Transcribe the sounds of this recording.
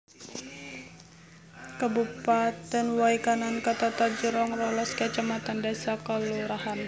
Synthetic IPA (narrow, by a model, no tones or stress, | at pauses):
kəbupat̪ɛnwaikanankət̪at̪ad͡ʒəɾɔŋrɔlɔskət͡ʃamat̪andasakaluɾaɦan